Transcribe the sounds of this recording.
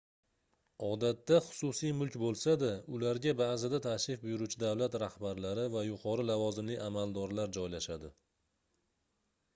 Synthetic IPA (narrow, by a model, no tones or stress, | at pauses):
ɒd̪at̪ːaχʊ̥sʊsijmʊlkʲbolˠsad̪aʊlaɾɡʲabaːzɪd̪at̪ʰaʃɪfbʊjʊɾut͡ʃʰɪd̪awlat̪ɾahbaɾlaɾɪvajʊqʰɒɾɪlavɒzɪmlɪamald̪ɒɾlaɾd͡ʒɒjlaʃad̪ɪ